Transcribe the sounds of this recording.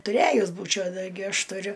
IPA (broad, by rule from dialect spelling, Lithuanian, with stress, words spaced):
tʊˈrʲæjʊs ˈbuːt͡ʃʲɛʊ tɐɪˈɡʲɪ ˈɐʃ tʊˈrʲʊ